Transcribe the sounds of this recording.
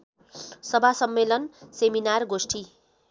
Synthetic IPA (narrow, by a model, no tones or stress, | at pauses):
sʌbʱasʌmːelʌnseminarɡosʈʰi